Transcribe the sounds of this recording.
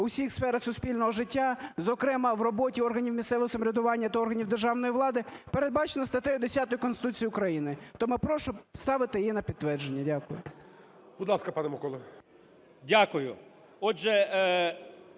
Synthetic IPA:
ʊsʲixsfɛɾɐxsʊspʲilʲnɔɦɔʒɪtʲːazɔkɾɛmɐwrɔbɔtʲiɔrɦɐnʲiwmʲissɛʋɪɦɔsɐmɾʲɐd̪ʊʋɑnʲːɐt̪ɐɔrɦɐnʲiwd̪erʒɑwnɔjiʋlˠɑd̪ɪpeɾe̞d̪̚bɑt͡ʃenɐst̪ɐt̪ɛjʊd̪esʲat̪ɔjʊkɔnsɪt̪ut͡sʲijiʊkɾɐjinɪt̪ɔmɪpɾɔʃʊst̪ɑʋɪt̪ɪjinɐpʲid̪̚t̪ʋɛrd͡ʒenʲːɐdʲakʊjʊ̰ | b̥ʊd̪lˠɑskɐpɑnɛmɐkɔlˠɔ | dʲakʊjʊ̰ | ɔʒɛ

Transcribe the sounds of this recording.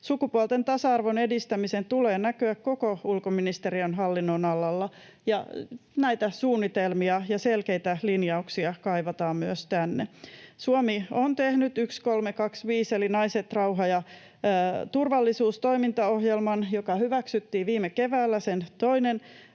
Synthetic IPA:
sukupuolt̪ent̪ɑsɑɑrʋone̞dist̪æmise̞nt̪uleːnækøækko̞koulkominist̪eɾiɑnɦɑlːinːonɑlɑlːɑ | jɑnæjt̪æsuːnːit̪elmiɑjɑselkejt̪ælinjɑuksiɑkɑjʋɑt̪ɑːmmyøst̪ænːesuomiont̪ehnyt̪ykskolmekɑksʋiːselinɑiset̪rɑuɦɑjɑ | t̪urʋɑlːisuːst̪o̞imint̪ɑoɦjelmɑnjokɑhyʋæksyt̪ːiːʋiːmːeke̞ʋæːlːæsent̪o̞inen

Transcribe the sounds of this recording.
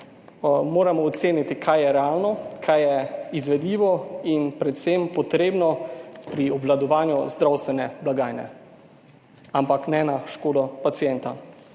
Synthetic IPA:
moːɾamɔːt̪seːnit̪ikʰajjɛɾɛaːlnɔkʰajɛizʋɛd̪liːʋɔinpɾɛt̪sempɔt̪ɾeːbnɔpɾiɔblad̪ɔʋaːnjuzd̪ɾawst̪ʋɛnɛblaɡaːjnɛ̰ | ampaknɛnaʃkoːd̪ɔpat̪sijɛnt̪a

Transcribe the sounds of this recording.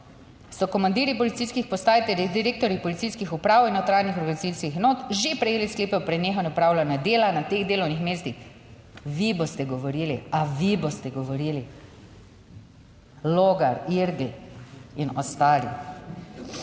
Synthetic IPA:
sɔkɔmand̪iːɾipɔlit̪sijskixpɔst̪aːjit̪ɛljid̪iɾeːk̚t̪ɔɾjipɔlit̪sijskixupɾaːwinɛwt̪ɾaːjnixɔɾɡanit̪siskixɛnoːt̪ʒepɾɛjeːliskleːpɛpɾɛneːxɔnɛupɾaːwlanjad̪eːlanat̪eɣd̪eːlɔwnixmeːst̪ix | ʋibost̪ɛɡɔʋɔɾiːliaʋibost̪ɛɡɔʋɔɾiːli | loːɡaɾiɾɡiinɔst̪aːlḭ

